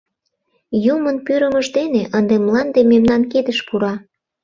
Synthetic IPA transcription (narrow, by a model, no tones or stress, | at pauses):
jumənpyɾə̆məʒd̪eneʔənd̪emlɑnd̪ememnɑnked̪əʃpuɾɑ